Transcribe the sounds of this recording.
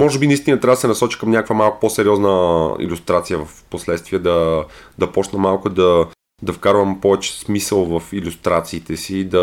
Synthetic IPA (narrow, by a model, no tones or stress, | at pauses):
mɔʒɛbinɐist̪inɐt̪ɾʲavəd̪əsɛnɐsɔt͡ʃi̥kəmnʲakvəmalˠkʊ̥posɛɾiɔznəḭlʲust̪ɾat̪sijəvɐfposlɛt̪st̪viɛd̪ɐd̪ɐpɔt͡ʃnəmalˠkʊd̪ɐ | d̪ɐfkaɾvɐmpɔvɛt͡ʃɛ̥smisəlˠvɐfilʲust̪ɾat̪siːt̪ɛsiːd̪ɐ